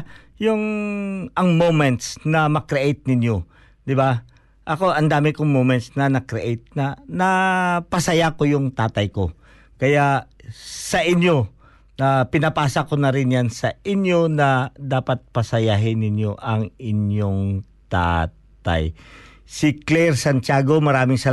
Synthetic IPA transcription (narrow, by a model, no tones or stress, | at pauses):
jʊŋ | ɐŋmowmɛnt̪snɐmɐkɾɪʔejt̪̚nɪnjo̞ | d̪ɪba | ʔɐko̞ʔɐnd̪aːmɪkoŋmomɛnt̪snɐnɐkɾɪʔejt̪̚nɐnɐpɐsɐjakojʊŋt̪aːt̪ɐjko̞ | kɐja | sɐʔɪnjo̞ | nɐpɪnɐpaːsɐkonɐɾɪnjansɐʔɪnjo̞nɐd̪aːpɐt̪̚pɐsɐjaɦɪnɪnjo̞ʔɐŋɪnjoŋ | t̪a̰ː | t̪a̰j | sɪklɛɾsɐnt͡ʃaːɡo̞mɐɾaːmɪŋsɐ